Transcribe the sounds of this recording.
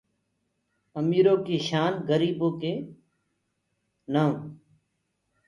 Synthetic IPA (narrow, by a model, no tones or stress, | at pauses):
əmiːɾoːkiːʃaːnɡəɾiːboːkeː | naːũː